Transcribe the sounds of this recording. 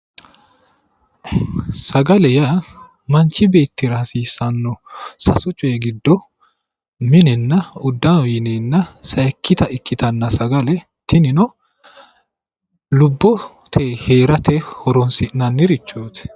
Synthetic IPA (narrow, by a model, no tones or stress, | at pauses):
sɐɡɐlɛja | mɐnt͡ʃːɪbe̞ːt̪ːɪɾaːsiːsɐnːɔsɐsʊt͡ʃʼːɔjɛɡɪd̪ːɔ | mɪnɛnːɐʊd̪ːɐnɔjɪnenːɐsɐɛkʰːɪt̪ɐɪkːɪt̪ɐnːɐsɐɡɐlɛ | t̪ɪnɪnɔ | lʊbːɔ | t̪ʰeːhe̞ːɾɐt̪ʰehɔɾɔnsɪʔnɐnːɪɾɪt͡ʃːoːt̪ɛ̥